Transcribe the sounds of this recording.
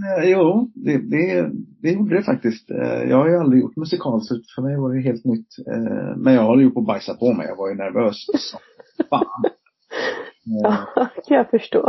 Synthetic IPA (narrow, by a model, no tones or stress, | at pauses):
juːd̪ɛd̪ɛd̪ɛjuːɖəɛfak̚t̪ɪst̪jɑ̰ːɡhaɾjɵald̪ɾɪjʊ̰ʈːmɵsɪkʰɑːlsʉːt̪fœɾmɛjvaɖɛɦeːlt̪nʏt̪ːmɛnjɑːɡhɔlːəjʊʈːɔbajsapʰɔmɛ̰jɑ̰ɡvaɾjɵnæɾvøːssɔ | faːn | kʰanjɑfœʂʈo̰ː